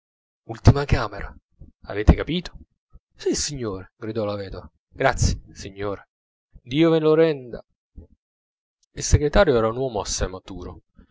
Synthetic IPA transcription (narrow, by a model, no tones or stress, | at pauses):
ult̪imakaːmeɾʔa̰ | a̰veːt̪ɪkapiːt̪o̥ | sisiɲːoːɾeɡɾid̪ɔlavɛːd̪ova | ɡ̥ɾat̪sːje̥siɲːoːɾe | d̪iːovenloɾɛnd̪a̰ | ilseɡɾet̪aːɾjoɛːɾaunwɔːmoasːajmat̪uːɾo